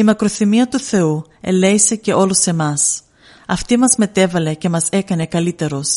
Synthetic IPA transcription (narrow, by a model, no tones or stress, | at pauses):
imɐkɾo̞θimiɐt̪uθe̞ue̞̰le̞ise̞ce̞o̞lose̞mɐs | ɐft̪imɐzme̞t̪e̞vɐle̞ce̞mɐse̞kɐne̞kɐlit̪e̞ɾo̞s